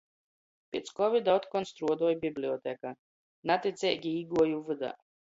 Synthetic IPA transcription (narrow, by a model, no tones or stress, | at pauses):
pʲit̪skɔvʲid̪aɔt̪kɔnst̪ɾuɔd̪uɔjbʲiblʲiɔt̪ɛka | nat̪ʲit̪sʲɛːkʲiiːɡuɔjuvɨd̪a̰